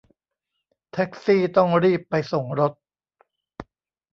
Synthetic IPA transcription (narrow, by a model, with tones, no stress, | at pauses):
t̪ʰɛ˦˥k̚siː˥˩t̪ɔ˥˩ŋɾiː˥˩pːa˧jso˨˩ŋɾo˦˥t̪̚